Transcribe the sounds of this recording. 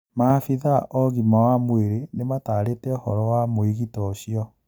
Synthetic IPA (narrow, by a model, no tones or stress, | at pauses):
maːfiðaʔɔɣimawamweɾenemataːɾetɛɔhɔɾɔwamoiɣitɔɕiɔ